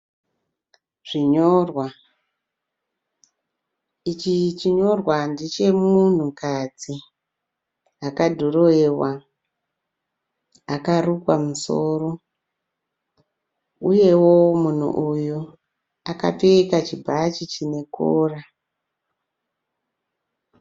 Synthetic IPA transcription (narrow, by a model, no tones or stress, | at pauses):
ʐ̥iɲorwa | it͡ʃit͡ʃiɲo̞rwandit͡ʃe̞mun̤ukad͡zi | akadʱoroewa | akarukwamusoːro̞ | uje̞wo̞mun̤ṵʔuju | aka̰piikat͡ʃibʱat͡ʃit͡ʃine̞koːra